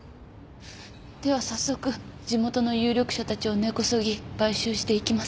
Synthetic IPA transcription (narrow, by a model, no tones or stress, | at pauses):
d̪̥e̞β̞asasːo̞kɯ̟d͡ʑimo̞t̪o̞no̞jɨ̟ːɾʲo̞kɯ̥ɕat̪at͡ɕio̞ne̞ko̞soɡʲib̥aiɕɨːɕi̥t̪e̞ikʲimas